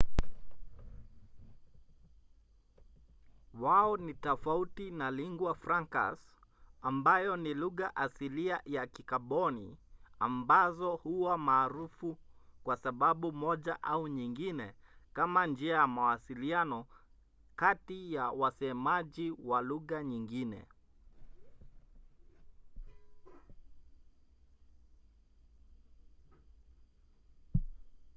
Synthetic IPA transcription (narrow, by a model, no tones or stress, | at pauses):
waɔnitɔfautinaliŋɡwafɾaŋka̰sambajɔniluɣaʔasiliajakikaɓɔnia̰mbazɔhuwamaːɾufukwasaɓaɓumɔʄaʔauɲiŋɡinɛkamand͡ʒiajamawasilianɔ | katijawasɛmaʄiwaluɣaɲiŋɡinɛ̰